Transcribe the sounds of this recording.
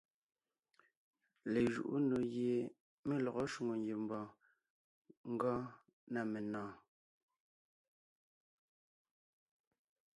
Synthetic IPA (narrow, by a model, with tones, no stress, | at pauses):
le˨ʒṵ˨ʔṵ˦no˨ɣje˨ | me˦lɔ˨ɣɔ˦ʃu˨ŋo˨ŋɡje˨m̩˨bɔ̃ː˨ | ŋ̩˦ɡɔː˦ | na˨me˨nɔ̃ː˦˨